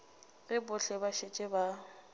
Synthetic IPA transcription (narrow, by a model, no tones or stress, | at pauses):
ɣɪbʊɬɛbaʃet͡ʃʼɛba